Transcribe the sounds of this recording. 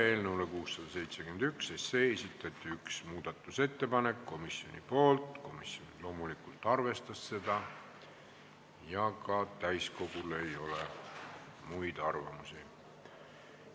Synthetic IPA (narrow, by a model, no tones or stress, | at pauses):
e̞ːlnewlekuːsːɑd̪̥ɑse̞jt̪se̞kynd̪yksese̞esʲit̪ːˑɑt̪ːˑiyksmuːd̪̥ɑt̪ːˑuse̞t̪ːe̞pɑne̞kːo̞misio̞̰nḭpo̞ːlt̪ˑko̞misonlo̞ːmulikult̪ˑɑrve̞st̪ɑsːe̞d̪̥ɑ | jɑkɑt̪æjsko̞ɡ̥ule̞jo̞le | mujd̪̥ɑrvɑmusi